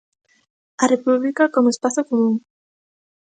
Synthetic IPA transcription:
ɐrepuβlikakomoespaθokomũŋ

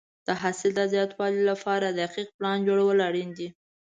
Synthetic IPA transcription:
d̪̥əɦasɪld̪zjɑt̪wɑlilapʰɑɾad̪əaqiq̚plɑnd͡ʒoɽawəlaɽind̪i

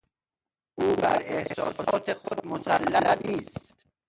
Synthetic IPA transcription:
ʔuːbæ̰ɾe̞hsɒ̰ːsɒːt̪ʰexod̪̚mosælːæniːst̪t̪

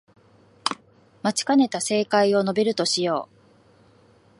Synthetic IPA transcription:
mat͡ɕi̥kane̞t̪ase̞ːkaio̞no̞be̞ɾɯ̟t̪o̞ɕijo̞̰ː

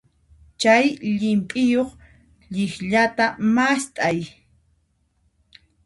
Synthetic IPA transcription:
t͡ʃajʎɪmpʼɪjoχ | ʎɪχʎat̪amast̪ʼaj

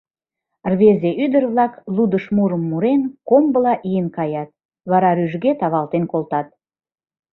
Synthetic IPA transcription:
rβezeʔyd̪ərβlɑklud̪əʃmuɾəmːuɾenkombəlɑʔijənkɑjɑt̪̚ | βɑɾɑɾyʒɡet̪ɑβɑlt̪enkolt̪ɑt̪̚

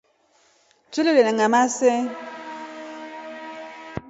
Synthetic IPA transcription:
t͡ʃulelenaŋamasɛ

